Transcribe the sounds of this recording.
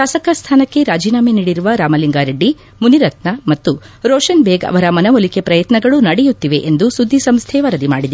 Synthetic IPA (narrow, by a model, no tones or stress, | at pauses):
ʃaːsɐkɐst̪ʰaːnɐkːe̞ɾaːd͡ʒiːnaːmeniːɽiɾuʋɐɾaːmɐliŋɡaːɾeɖːi | muniɾɐt̪̚nɐmɐt̪ːuɾoːʂɐnbeːɡɐ̰ʋɐɾɐmɐnɐʋolikepɾɐjɐt̪nɐɡɐɭunɐɽɛjut̪ːiʋe̞ʔend̪usud̪ʱːisɐmst̪ʰɛʋɐɾɐd̪imaːɽid̪e